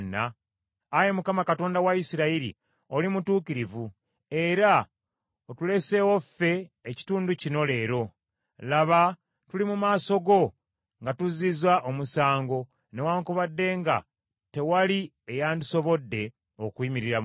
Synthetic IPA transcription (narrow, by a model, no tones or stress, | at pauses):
nːa̰ː | je̞mukamakato̞ːndawaisiɾaiɾḭ | o̞limutuːkiɾivu | e̞ɾa | otule̞se̞wo̞fːe̞ːci̥tuːnducino̞le̞ːɾo̞ | laβa | tulimumaːso̞ɡo̞ | ŋɡatuzizwaʔomusaːŋɡo̞ | ne̞waːŋkuβadːe̞ːŋɡa̰ | te̞wali | ejaːnduso̞βo̞dːe̞ | okwiːmiɾiɾa